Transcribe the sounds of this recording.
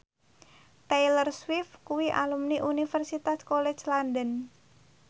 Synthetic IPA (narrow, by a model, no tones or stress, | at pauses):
t̪ejlərswɪfkuwiʔa̰lumniʔunifɛrsit̪askolɛt͡ʃlandən